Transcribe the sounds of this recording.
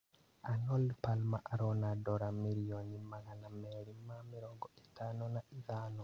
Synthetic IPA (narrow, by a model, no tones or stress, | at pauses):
anɔlpalmaʔaɾɔnadɔɾamiɾionimaɣanamɛɾimːamiɾɔŋɡɔʔi̥tanɔnaʔiðano